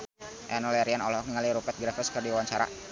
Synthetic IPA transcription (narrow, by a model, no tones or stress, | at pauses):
ʔɛnɔlɛɾianɔlɔk̚niŋaliɾupɛt̪̚ɡɾafəskərdiwaɲt͡ʃaɾa̰